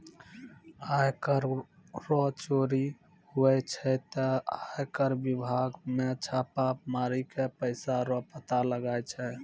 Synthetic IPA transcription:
ajkəɾ | ɾɔt͡ʃoɾi | huɛt͡ʃʰɛt̪əajkəɾbibʱaɡmet͡ʃʰapamaɾikepəɪsaɾɔpət̪aləɡajt͡ʃʰɛ

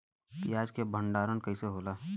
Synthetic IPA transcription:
kiaːd͡ʒkebʱə̃ɳɖaːɾənkɐiseɦoːlaː

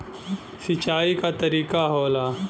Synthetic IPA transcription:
sit͡ʃaːikat̪ɐɾiːkaɦoːlaː

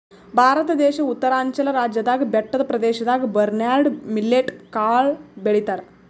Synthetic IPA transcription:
bʱaːɾət̪d̪eɕɐut̪ːəɾaɲt͡ɕɐləɾad͡ʑjəd̪aɡbɛʈːəd̪pɾɐd̪eɕɐd̪aɡbəɾnaɾɖmilːeʈkaɭbeɭit̪aɾ

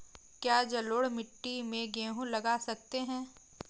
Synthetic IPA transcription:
kjaːd͡ʒɐloːɽmɪʈːimẽɡẽːɦũlɐɡaːsɐk̚t̪eɦɛ̃ː

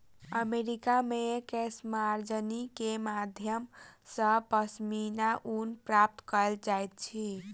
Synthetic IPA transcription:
əmeɾikamekesmaɾd͡ʒənikemad̪ʱjəmsəpəsminaʔunpɾap̚t̪kəld͡ʒajt̪̚t͡ʃʰi

